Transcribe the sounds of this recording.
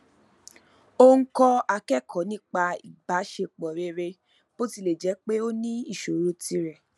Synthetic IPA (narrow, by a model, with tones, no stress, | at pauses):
o˦ŋ̩˦kɔ˦a˧kɛ˦˨kʰɔ̃˨˦nĩ˦k͡pa˧ḭ˨ba˨˦ʃe˧k͡pɔ˨ɾe˧˦ɾe˧ | b̥o˦ti˧˨le˨d͡ʒɛ˨˦k͡pe˦o˦nĩ˦i˦˨ʃo˨ɾo˨˦ti˧ɾɛ˨